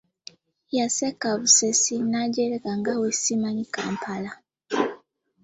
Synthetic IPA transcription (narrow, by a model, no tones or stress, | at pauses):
jasekaβusesinaɟeɾekaŋɡawesimaɲikaːmpʰala